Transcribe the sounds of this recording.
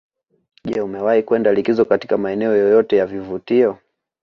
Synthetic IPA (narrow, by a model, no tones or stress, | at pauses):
ʄɛumɛwahikwɛndalikizɔkati̥kamaɛnɛɔjɔjɔtɛjavivutiɔ